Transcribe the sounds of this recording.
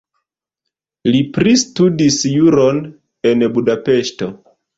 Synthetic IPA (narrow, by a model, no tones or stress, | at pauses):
lipɾistudisjuɾo̞n | e̞nbudape̞ʃto̞